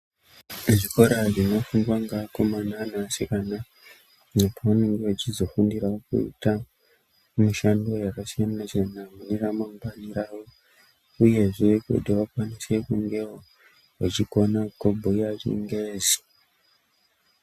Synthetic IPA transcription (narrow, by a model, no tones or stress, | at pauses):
ʐiko̞ɾaʐino̞fuŋɡwaŋɡakomananasikana | nepaane̞ŋɡewat͡ʃizo̞fundiɾaokṵḭta | muʃando̞jakasijanat͡ʃenamuniramambaniɾaːwo | uje̞ʐekṵdiwakwanise̞kuŋɡe̞wo | wot͡ʃiko̞nakobʱuiaʐḭŋɡeːzi